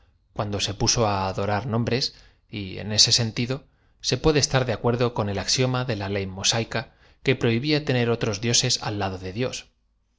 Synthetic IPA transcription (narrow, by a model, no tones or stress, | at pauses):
kwand̪o̞se̞puso̞aːðo̞ɾaɾnõ̞mbɾe̞s | iḛne̞se̞se̞nt̪iðo̞ | se̞pwe̞ðest̪aɾðeakwe̞ɾðo̞ko̞ne̞laksjo̞maðe̞lale̞jmo̞sajka | ke̞pɾo̞iβiat̪e̞ne̞ɾo̞t̪ɾo̞zðjo̞se̞sa̰lːaðo̞ðe̞ðjo̞s